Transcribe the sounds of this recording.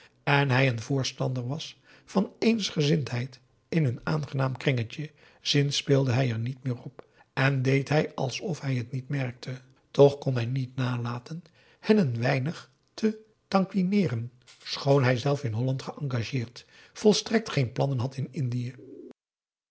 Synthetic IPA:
ɛnɦɛjənvʊːɹstɑndəɹʋɑs | fɑnejnsχəzɪntɦɛjt | ɪnɦɵnaːnχənaːmkrɪŋət͡ʃə | z̥ɪnspɪːlˠdəɦɛjɛɹnitmɪːrɔp | ɛndejtɦɛjɑlˠsɔfɦɛjɦətnitmɛrk̚tʰə | tɔχkɔnɦɛjnitnaːlaːtən | hɛnənʋɛjnəχ | tʰə | tɑŋkʋinɪːrən | sχownɦɛjzɛlˠfɪnɦɔlɑntχəʔɑŋɡaʒɪːɹt | fɔlˠstrɛk̚tχejnplɑnənɦɑtɪnɪndiə

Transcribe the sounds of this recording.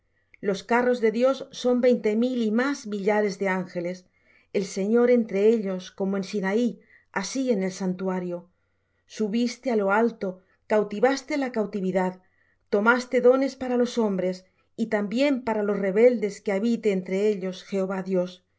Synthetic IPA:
lo̞skaro̞zðe̞ðjo̞sːo̞mbe̞jnt̪e̞milimazmiʎaɾe̞zðe̞aŋxe̞le̞s | e̞lse̞ɲo̞ɾe̞nt̪ɾe̞eʎo̞sko̞moe̞nsinai | asie̞ne̞lsant̪uaɾjo̞ | suβ̞ist̪ealo̞alt̪o̞ | kawt̪iβast̪e̞lakawt̪iβ̞iðað | t̪o̞mast̪e̞ðo̞ne̞spaɾalo̞so̞mbɾe̞s | it̪ambje̞mpaɾalo̞sre̞βe̞ld̪e̞skeaβ̞it̪e̞ːnt̪ɾe̞eʎo̞sxe̞oβaðjo̞s

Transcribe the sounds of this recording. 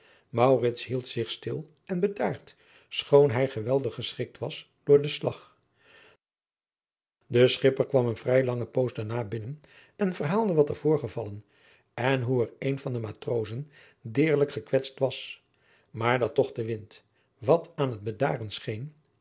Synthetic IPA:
mɑwrɪtsɦilˠtsɪχstɪlˠ | ʔɛnbədaːɹt | sχownɦɛjχəʋɛlˠdəχːəsχɪk̚tʋɑs | d̥ʊːɹdəslɑ̰χ | dəsχɪpəɹkʋɑmənvrɛjlɑŋəpowzdaɹnaːbɪnən | ɛnvərɦaːlˠdəʋɑtəv̥ʊːɹχəvɑlən | ɛnɦuɛrejnvɑndəmaːtrowzən | dɪːɹləkχəkʋɛtstʋɑs | maːɹdɑtːɔχdəʋɪnt | ʋɑtaːnɦəd̚bəda̰ːrənsχejn

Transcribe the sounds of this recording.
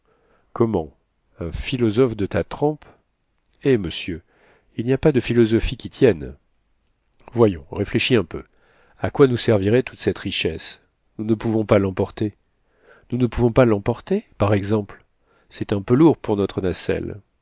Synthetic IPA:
kɔmɑ̰̃ | ɛ̃filɔzɔfd̪ət̪at̪χɑ̃p | eməsjø | ilniapad̪əfilɔzɔfikʲit̪jɛn | vwajɔ̰̃ʁefleʃiɛ̃pø̰ | akwanusɛʁviʁɛt̪ut̪sɛt̪ʁiʃɛs | nunəpuvɔ̃palɑ̃pɔʁt̪e | nunəpuvɔ̃palɑ̃pɔʁt̪epaʁɛɡzɑ̃pl | sɛt̪ɛ̃pøluʁpuʁnɔt̪χənasɛ̰l

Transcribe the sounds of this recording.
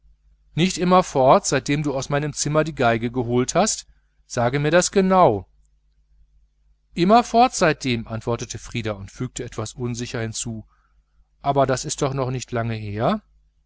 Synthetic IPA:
nɪçtʔɪmɐfɔɐtz̥aɪt̚d̥eːmduːaʊsmaɪnəmt͡sɪmɐdiːɡaɪɡəɡəɦoːlthast | z̥aːɡəmiːɐdasɡ̥ənaʊ | ʔɪmɐfɔɐtz̥aɪt̚d̥eːmʔantv̥ɔɐtətəfʁ̥iːdaʊntfyːk̚təɛtv̥asʔʊnzɪçɐhɪnt͡suː | ʔaːbɐdasɪst̚d̥ɔχnɔχnɪçtʰlaŋəɦeːɐ

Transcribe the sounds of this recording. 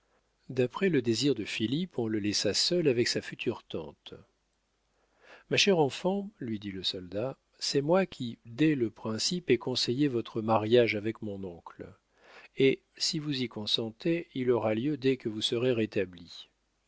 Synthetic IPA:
d̪apχɛləd̪eziʁd̪əfilipɔ̃ləlɛsasœlavɛksafyt̪ʰyʁt̪ɑ̰̃t̪ | maʃɛʁɑ̃fɑ̃lɥid̪iləsɔld̪a | sɛmwakʲʰid̪ɛləpχɛ̃sipɛkɔ̃sejevɔt̪χəmaʁjaʒavɛkmɔ̃nɔ̃kl | e | sivuzikɔ̃sɑ̃t̪eilɔʁaljød̪ɛkəvusəʁeʁet̪abli

